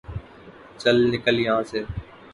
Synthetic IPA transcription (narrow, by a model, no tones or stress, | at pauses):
t͡ʃəlnɪkəljɐɦãːseː